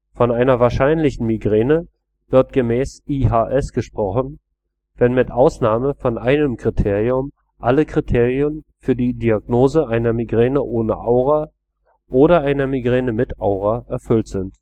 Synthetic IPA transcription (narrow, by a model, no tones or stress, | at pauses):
fɔnaɪnɐvaːɐʃaɪnlɪçn̩miɡʁɛːnə | v̥ɪɐt̚ɡ̥əmɛːsʔiːɦaːʔɛsɡ̥əʃpʁ̥ɔχn̩ | vɛnmɪtʔaʊsnaːməfɔnʔaɪnəmkʁ̥itʰeːʁiʊm | ʔaləkʁ̥itʰeːʁiənfyːɐdiːdiaɡ̚noːzəʔaɪnɐmiɡʁɛːnəʔoːnə̰ʔaʊʁa | ʔoːɾɐʔaɪnɐmiɡʁɛːnəmɪta̰ʊʁ̞aʔɛɐfʏltz̥ɪnt